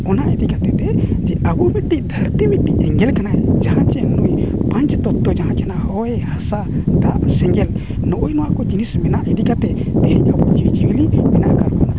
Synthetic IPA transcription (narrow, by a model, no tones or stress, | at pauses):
ɔnaʔɛt̪ikat̪ɛt̪ɛd͡ʒɛabumit̪̚ɖiʔd̪ʱəɾt̪ibit̪̚ʈiʔɛŋɡɛlkanaɛd͡ʒaɦãt͡ʃɛnujpãɲt͡ʃt̪ɔt̪ːɔd͡ʒaɦãt͡ʃɛnahɔjɛhasat̪a̰ʔsɛŋɡɛl | nɔʔujnɔwakɔd͡ʒinismɛnaʔɛt̪ikat̪ɛd̪ɛɦɛɲabud͡ʒiwid͡ʒiwilimɛnaʔkaɾkana